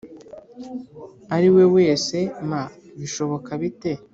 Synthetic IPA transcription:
aɾiwe̞we̞ːse̞ma | βiʃo̞βo̞kaβite̞

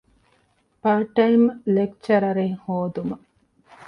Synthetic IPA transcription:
pɐɾʈɐjmlek̚t͡ʃɐɾɐɾeŋhoːd̪umɐ

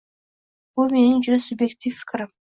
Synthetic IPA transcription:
bulˠmenɪnd͡ʒyɾesʊbjektʲifːɪ̥kʲɾɪm

